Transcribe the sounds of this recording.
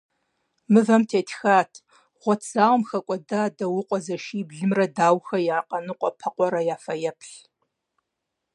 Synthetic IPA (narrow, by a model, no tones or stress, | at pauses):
mɨvɐmtʰeːtʰxaːtʰ | ʁʷɔtʰz̥aːwɐmxɐkʷʼɔdaːdɐwʊqʷʼɔzɐʃiːbɮɨmrɐdaːwxɐjaːqʼɐnɨqʷʼɔpʰɐqʷʼɔɾɐjaːfɐjɛpʰɬ